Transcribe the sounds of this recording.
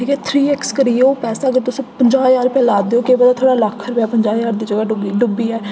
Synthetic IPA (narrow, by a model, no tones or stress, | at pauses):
ʈʰiːkɛːt̪ʰɾiːɛkskəɾiːeoːpɛːsaːəɡəɾt̪ʊspəɲd͡ʒaːjaːɾʊpɛːlaːd̪eːoːkeːbəd̪aːt̪ʰoːɽaːləkʰːɾəpjaːpəɲd͡ʒaːjaːɾd̪iːd͡ʒəɡaːɖʊbiːɖʊbiːɛː